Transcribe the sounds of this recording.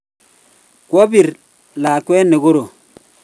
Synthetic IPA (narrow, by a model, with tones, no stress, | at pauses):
kwo˦bi˨ɾ | la˨kwe˦nːe˨ɡo˦ɾo˨